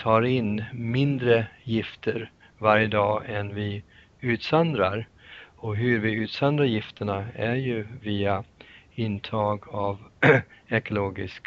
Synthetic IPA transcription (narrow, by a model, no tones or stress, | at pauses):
t̪ʰɑːɾɪnmɪnd̪ɾəjɪft̪ʰəɾ | vaɾjəd̪ɑːʔɛnvɪ | ʉ̟ːt̪sand̪ɾaɾɔɦɵɾvɪʉ̟ːt̪sand̪ɾajɪft̪ʰəɳaæɾjɵviːaɪnt̪ʰɑːɡav | ɛkʊloːɡɪsk